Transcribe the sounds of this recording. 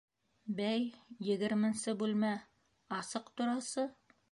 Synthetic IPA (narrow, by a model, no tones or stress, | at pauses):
bæjːɘ̆ɡɘ̆ɾmɘ̆nsɘbʉlmæ | ɑsɤqt̪ŏɾɑsɤ